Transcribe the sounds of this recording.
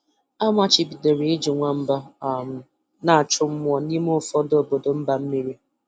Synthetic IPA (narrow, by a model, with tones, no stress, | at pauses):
a˦mʷa˦t͡ʃɪ˨bi˨de˨ɾe˨˦ɪ˦d͡ʒi˨ŋʷa˨m̩˦ba˦˨m̩˦ | na˨a˨t͡ʃʊ˦m̩˦mʷ˦ɔ˨ni˦m˦ʊ˦fɔ˦do˨bo˨do˨m̩˦ba˨m̩˦mi˦ɾi˦